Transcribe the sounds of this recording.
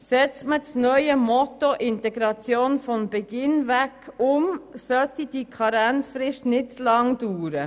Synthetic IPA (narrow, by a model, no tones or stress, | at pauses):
sɛt͡stmət͡snœʏəmɔtoʔɪntɛɡɾɑt͡sjoːnfɔmbɛɡ̥ɪnvækʊmsœtid̥ikʰɑɾænt͡sfɾɪʃtnɪt̚t͡slɑŋduːɾə